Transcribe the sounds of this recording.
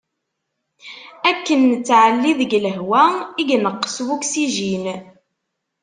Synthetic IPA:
ækːənt͡sːʕəlːiðəɡləɦwæiɡnəqːə̥swuksiʒin

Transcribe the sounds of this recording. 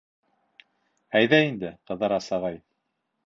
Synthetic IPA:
æjðæind̪ɘqɤ̆ðːɑɾɑsɑʁɑj

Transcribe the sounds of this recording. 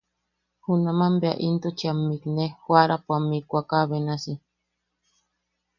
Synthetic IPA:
hunamambea̰ʔint̪ut͡ʃiamːiknehwaɾapuamikʷakaβenasi

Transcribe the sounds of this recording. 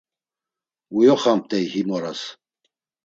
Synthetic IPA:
ujɔχam̚t̪ʼɛjhimɔɾas

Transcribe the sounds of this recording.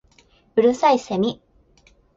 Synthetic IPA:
ɯ̟ɾɯsaisemʲi

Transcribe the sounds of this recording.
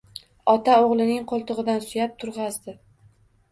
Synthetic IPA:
ɒt̪ʰaoʁlˠɪnɪŋqʰolˠt̪ʰʊʁɨd̪ansʊjap̚t̪ʰʊɾʁɑzd̪ɪ

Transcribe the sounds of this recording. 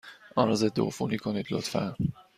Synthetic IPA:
ʔɒːɾɒzed̪ːoofṵniːkʰoniːd̪lo̰t̪fæ̰n

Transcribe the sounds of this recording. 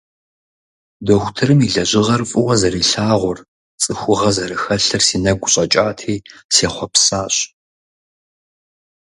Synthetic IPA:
doxʷʊtʰɨrɨmiɮɐʑɪʁɐrfʼɨwɐzɐɾiːɬaːʁʷʊr | t͡sʼɨxʷʊʁɐzɐɾɨxɐɬɨrsiːnɐɡʷʊɕʼɐt͡ʃʼaːtʰiːseːχʷɔpsaːɕ

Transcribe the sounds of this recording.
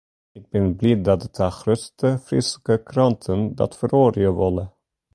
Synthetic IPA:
ɪɡ̚bɛnblit̚dɑdətʰaχrøstəfrɪ̰sə̥kəkrɑntʰəndɑ̰tfəroːrɪəʋɔlə

